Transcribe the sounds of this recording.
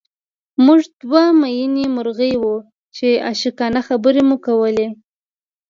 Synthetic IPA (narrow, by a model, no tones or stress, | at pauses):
muʐd̪wamajinemʊɾɣəjwu | t͡ʃea̰ʃikɑnaxabəɾemukawəle